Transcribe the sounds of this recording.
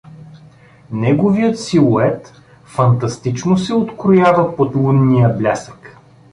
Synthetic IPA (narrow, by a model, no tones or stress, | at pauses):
nɛɡovijət̪silˠoɛt̪ | fɐnt̪ɐst̪it͡ʃnosɛot̪kɾʊjavəpot̪lˠunːijəblʲasə̥k